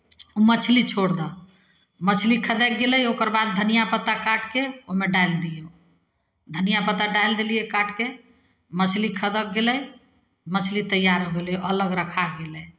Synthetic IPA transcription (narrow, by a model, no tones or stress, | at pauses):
umət͡ʃʰlit͡ʃʰoɽd̪a | mət͡ʃʰlikʰəd̪ɛɡeləjokəɾbad̪̚dʱənijapət̪akaʈkeoɦmeɖajld̪ijo | d̪ʱənijapət̪aɖajld̪eliekaʈʰke | mət͡ʃʰlikʰəd̪ək̚ɡeləj | mət͡ʃʰlit̪əjːaɾɦoɡeloʔələɡɾəkʰaɡelɛ